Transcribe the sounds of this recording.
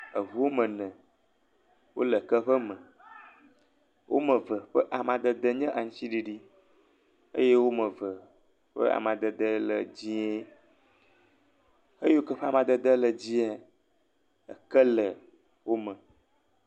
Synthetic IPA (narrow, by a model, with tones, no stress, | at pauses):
ə˨vu˨wo˦mə̃˨nɛ̃˨ | wo̰˦lə˨kə˦ɸə˦mə̃˨ | wʔo̰˦mə̃˨və˨ɸə˦ʔa˨mã˨d̪ə˦d̪ə˦ɲɛ̃˦ʔa˨ŋ̩̃˦t͡ɕi˦ɖi˨ɖi˦ | ə̰˦je˦wo˦mə̃˨və˨ | ɸə̰˦a̰˨mã˨d̪ə˨d̪ə˦lə̰˨d͡ʑi˦e˦ | e˦je˦o˦kə˦ɸə˦a˨mã˨d̪ə˨d̪ə˦lə˨d͡ʑi˦a˦ | ə˨kə˦lə˨ | wo˦mə̃˨